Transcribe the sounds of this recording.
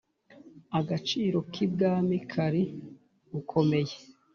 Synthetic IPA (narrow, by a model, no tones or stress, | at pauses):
aɡat͡ʃiːɾo̞kʰib̚ɡaːmikʰaɾi | ukʰo̞me̞je